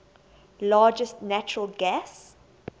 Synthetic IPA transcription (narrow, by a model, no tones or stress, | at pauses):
laːd͡ʒəstnæt͡ʃəɹəlɡæs